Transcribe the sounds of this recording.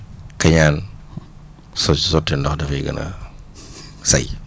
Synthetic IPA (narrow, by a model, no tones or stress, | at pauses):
kɐɲaːn | sɔsɔtːindɔxdɐfɐɡɐ̰nɐ̰ | sɐ̰j